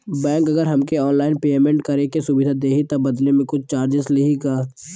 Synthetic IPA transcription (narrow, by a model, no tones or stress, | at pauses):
bɛ̃ːŋkɐɡəɾɦɐmkeɔːnlaːɪnpeːmẽɳʈkɐɾekesʊbɪd̪ʱad̪eːɦit̪ɐbɐd̪lemẽkʊt͡ʃʰt͡ʃaːɾd͡ʒɪslɪɦiɡaː